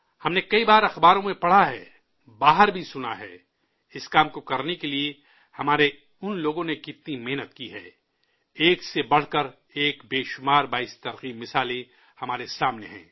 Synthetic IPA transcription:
hɐmnekɐibaːɾɐxbaːɾõmẽpɐɽ̤aɦɛ̰ː | baːɦəɾbʱisʊna̰ɦɛ̰ː | ɪskaːmkokɐɾnekelie | hɐmaːɾe | ʊnloːɡõnekɪt̪nimɪɦnət̪kiɦɛ̰ː | eːksebɐɽ̤kɐɾ | eːkbeːʃʊmaːɾbaːɪst̪ɐɾqiːbmɪsaːle | hɐmaːɾesaːmneɦɛ̰̃ː

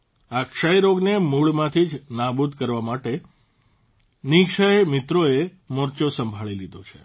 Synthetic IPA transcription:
akʃajɾoɡnemuɭmãt̪ʰid͡ʒnabud̪ʱkəɾʋamaʈe | nikʃəjmit̪ɾoe | mɔɾt͡ʃosəmbʱaɭilid̪o̰t͡ʃʰḛ

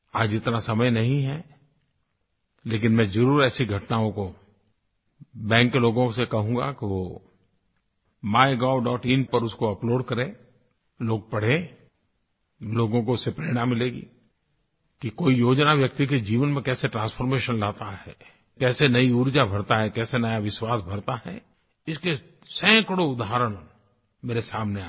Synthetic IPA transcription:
aːd͡ʒɪt̪nasɐməjnɐɦĩɦɛ | leːk̬ɪnmɛ̃zɐɾuːɾɛːsiɡʱɐʈnaːõko | bɛ̃ːŋkːeloːɡõsekɐɦũːɡa̰keʋo | maːɪɡaːɖɔːʈiːnpɐɾʊskoɐploːɖkɐɾẽ | loːɡ̚pɐɽ̤ẽ | loːɡõk̬oʊsepɾeːɽ̃amɪleːɡḭː | kikoːijoːd͡ʒnaʋjɐk̚t̪iked͡ʒiːʋənmẽkɛːseʈɾãːnspʰoːɾmeːʃənlaːt̪aɦɛ̰ː | kɛːsenɐiuɾd͡ʒabʱɐɽt̪aɦɛkɛːsenɐjaʋɪʃwaːsbʱɐɾt̪aɦɛ̰ | ɪske | sɛ̃ːkɽoʊd̪aɦɾəɽ̃ | meːɾesaːmnea

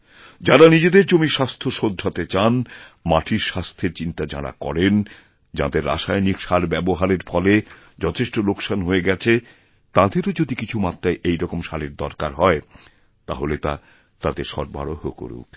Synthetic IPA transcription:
d͡ʑaɾanid͡ʑed̪eɾd͡ʑomiʃast̪ʰoʃod̪ʱːat̪et͡ɕanmaʈʰiɾʃast̪ʰeɾt͡ɕint̪ad͡ʑa̰ɾa̰kɔ̰ɾen | d͡ʑa̰d̪eɾːa̰ʃajnikʃaɾbɛboɦaɾeɾfɔle | d͡ʑɔt̪ʰeʃʈolokʃanɦoeɡɛt͡ɕʰe | t̪ãd̪eɾod͡ʑod̪ikit͡ɕʰumat̪ːɾaeʔejɾɔkomʃaɾeɾd̪ɔɾkaɾɦɔe | t̪a̰ɦolet̪a̰ | t̪ad̪eɾʃɔ̰ɾba̰ɽohoko̰ɾṵk

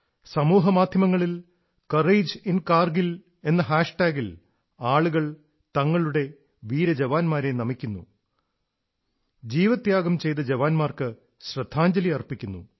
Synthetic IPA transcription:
sɐmuːɦɐmaːd̪ʱjɐmɐŋːɐɭil | kɐreːd͡ʑinkaːrɡil | e̞nːɐɦaːʂʈaːɡil | aːɭuɣɐɭ | t̪ɐŋːɐɭuɽe̞ | ʋiːɾɐd͡ʑeʋaːnmaːɾe̞nɐmikʲːunːṵ | d͡ʑiːʋɐt̪ːjaːɡɐmt͡ɕe̞jt̪ɐd͡ʑeʋaːnmaːrkɨ | ɕrɐd̪ʱːaːɲd͡ʑɐliɐrpːikʲːunːṵ

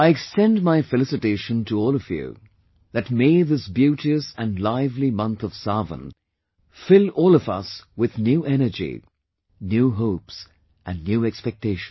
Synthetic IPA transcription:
aɪɨkstɛ̃ndmaɪfɨlɪsɨteɪʃə̃ntʰəɔːlˠʌvjʉ̰ | ðɨtmeɪðɪsbjʉɾiɨsɨ̃nlaɪvlimʌ̃nθʌv̥sɑvə̰̃n | fɪlˠɔlˠʌvʌ̰swɪðnjuʔɛnə˞d͡ʒḭ | njuːɦoʊps | ʔɨ̃nːjʉɛkspɛk̚tʰeɪʃn

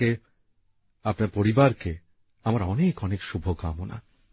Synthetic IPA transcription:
e | apnaɾpoɾibaɾke | amaɾɔnekɔnekʃubʱokamona̰

